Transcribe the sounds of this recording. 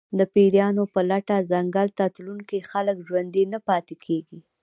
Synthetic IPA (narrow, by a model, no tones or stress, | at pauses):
d̪əpiɾjɑnopəlaʈazaŋɡalt̪at̪luŋkixaləkʒwand̪inapɑt̪ekʰeɡi